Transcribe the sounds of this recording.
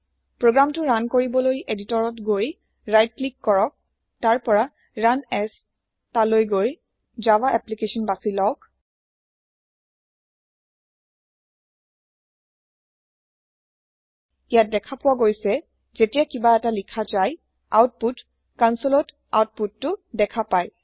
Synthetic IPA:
pɹoɡɹamtʊɹankoɹibɔlojʔeditɔɹɔtɡoj | ɹajt̚klikːɔɹɔk̚ | taɹpɔɹa | ɹanɛs | talojɡoj | zawaʔɛplikesɔnbasilɔk | ijat̚dɛkʰapʊwaɡojsɛ | zetijakibaɛtalikʰazaj | a̰wt̚put | kansɔlɔt | a̰wt̚putːʊdɛkʰapaj

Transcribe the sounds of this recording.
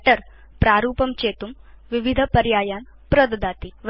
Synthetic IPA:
ʈɐɾ | pɾaːɾuːpɐmt͡ʃeːt̪umʋiʋid̪ʱɐpɐɾjaːjaːn | pɾod̪ɐd̪aːt̪iʋ

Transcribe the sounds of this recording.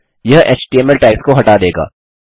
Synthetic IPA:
jɐɦʔḛːt͡ʃʈiɛːmɛlʈaːɪpskoɦɐʈad̪eːɡa̰ː

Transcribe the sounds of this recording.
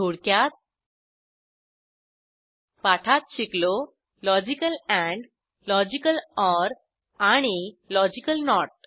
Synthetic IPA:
oɽkjat̪̚ | paʈʰat̪̚ɕiklo | lɔd͡ʑikəlɛ̃ɳɖ | lɔd͡ʑikəlɔɾ | aɽ̃ilɔd͡ʑikəlnɔʈ̚

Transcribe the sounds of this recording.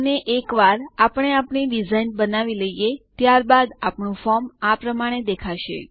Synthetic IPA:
neʔekʋaɾapəɽ̃eapɳiɖid͡ʒainbənaʋiləijet̪jaɾbad̪apɳũfɔɾmapɾəmaɽ̃ed̪ekʰaʃḛ

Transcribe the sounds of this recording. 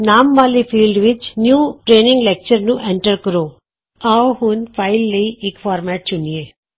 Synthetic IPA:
naːmʋaːlipʰiːlɖʋɪt͡ʃnjuːʈɾeːnɪ̃ŋɡleːk̚t͡ʃəɾnũʔẽɳʈəɾkəɾoː | aɦʊnpʰaɪlːəiʔekfʰaːɾmɛːʈ̚t͡ʃʊnijeː

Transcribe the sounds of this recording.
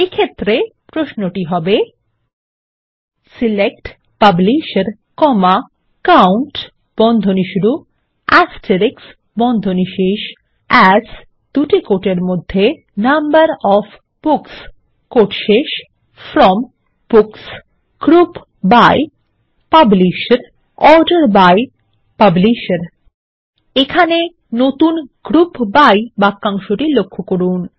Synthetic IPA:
ekʰet̪ːɾepɾosnoʈiɦɔbe | silek̚ʈ | pabliʃeɾ | kɔma | kawɳʈ | b̥ɔnd̪ʱoniʃuɾu | ɛsʈeɾiks | bɔnd̪ʱoniʃeʃ | ɛd͡ʑ | d̪̥uʈikoʈeɾmod̪ʱːe | nambaɾɔfʰ | b̥uks | koʈʃeʃ | fɾɔm | b̥uks | ɡ̥ɾup | baj | pabliʃɾ | ɔɾɖaɾbaj | pabliʃɾ | ekʰane | not̪unɡ̥ɾupbajbakːaŋʃoʈilokʰːokoɾun

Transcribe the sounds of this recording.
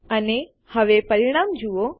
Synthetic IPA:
əne | həʋepəɾiɽ̃aːmd͡ʒuo

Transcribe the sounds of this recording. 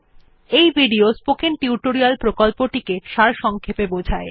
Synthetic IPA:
ejbʱiɖiospokenʈiuʈoɾialpɾokolpoʈikeʈʃaɾʃɔŋkʰepebod͡ʑʱae

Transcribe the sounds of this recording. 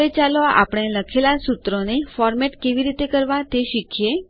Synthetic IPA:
et͡ʃaloa̰pəɽ̃eləkʰelasut̪ɾonefɔɾmɛʈkeʋiɾit̪ekəɾʋãt̪eʃikʰje

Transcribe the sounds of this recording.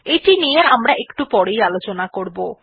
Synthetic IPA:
ejʈinijeamɾaʔekʈupɔɽejalot͡ɕonakoɾbo

